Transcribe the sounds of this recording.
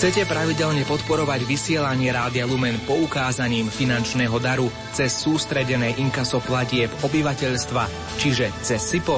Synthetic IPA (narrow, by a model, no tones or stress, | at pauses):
xt͡sɛcɛpɾaʋiɟɛʎɲɛpɔt̪pɔɾɔʋaɟʋisɪɛlaɲɪɛɾaːd̪ɪalumɛnpɔukaːzaɲiːmfinant͡ʃnɛːɦɔd̪aɾu | t͡sɛsːuːst̪ɾɛɟɛnɛjʔiŋkasɔplaɟɪɛpɔbiʋacɛʎst̪ʋa | t͡ʃiʒɛt͡sɛsːipɔ